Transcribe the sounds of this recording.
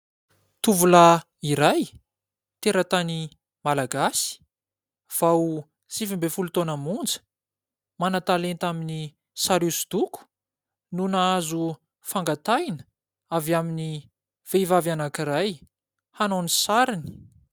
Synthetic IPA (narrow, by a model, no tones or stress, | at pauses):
t̪uvula | iɾaj | t̪eɾat̪ani | malaɡasi̥ | v̥aw | sifimbefulut̪onəmund͡zə̥ | manat̪alent̪amini | saɾusud̪̥uku̥ | nunaazu | faŋɡat̪ajnə | avjamini | v̥evavanakiɾaj | hanonisaɾini̥